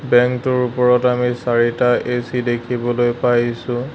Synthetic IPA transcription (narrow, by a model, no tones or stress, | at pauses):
bɛŋktʊɹupɔɹɔtamisaɹitaʔesidekʰibɔlojpajsʊ̃